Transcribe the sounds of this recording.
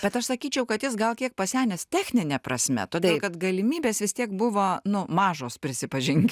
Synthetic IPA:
b̥ʲɛt̪ɐʃsɐkʲiːt͡ʃʲɛʊkɐt̪jɪsɡɐlˠkʲiɛk̚pɐsʲæːnʲɛst̪ʲæːxʲnʲɪnʲɛpɾɐsʲmʲɛ̰t̪oːd̪ʲeːlˠkɐt̪ɡɐlʲɪmʲiːbʲeːsʋʲɪst̪ʲiɛkbʊʋoːnʊmɑːʒoːspʲɾʲɪsʲɪpɐʒʲɪŋʲɡʲ

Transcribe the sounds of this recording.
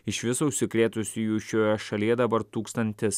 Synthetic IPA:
ɪʃʋʲɪsɐʊʃʲsʲɪkɾʲeːt̪ʊsʲɪjuːʃʲoːjɛʃɐlʲiːɛd̪ɐbɐɾt̪uːkst̪ɐnʲt̪ʲɪs

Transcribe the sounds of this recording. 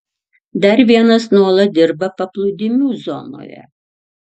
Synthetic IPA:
d̪ɐɾʋʲiɛnɐsnuɔlˠɐt̪̚ʲd̪ʲɪɾbɐpɐplˠʊd̪ʲɪmʲuːzɔ̰no̰ːjɛ̰

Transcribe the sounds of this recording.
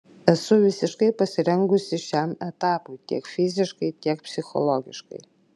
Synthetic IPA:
ɛsʊʋʲɪsʲɪʃkɐɪpɐsʲɪɾʲɛŋɡʊsʲɪʃʲæmɛt̪aːpujtʲḭɛkfʲɪzʲɪʃkɐɪtʲiɛkpʲsʲɪxɔ̰lˠoɡʲɪ̰ʃkɐ̰ɪ

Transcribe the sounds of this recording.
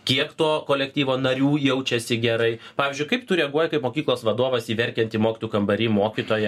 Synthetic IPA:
kʲiɛkt̪oːkoːlʲɛkt̪ʲiːʋoːnɐɾʲuːjɛʊt͡ʃʲɛsʲɪɡʲɛɾɐɪpɑːʋʲɪzʲd͡ʒʊɪkɐɪpt̪ʊɾʲɛɡuɔjɛkɐɪpmoːkʲiːklˠoːsʋɐd̪oːʋɐsiːʋʲɛɾʲkʲɛnʲt̪ʲiːmoːkʲt̪ʊjukɐmbɐɾʲiːmoːkʲit̪oːjɛ

